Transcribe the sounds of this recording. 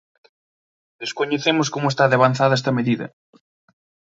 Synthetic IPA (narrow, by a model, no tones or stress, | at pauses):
d̪eskoɲeθemʊskomʊest̪aðeaβan̟θaðɐɛst̪ɐmeðiðɐ̰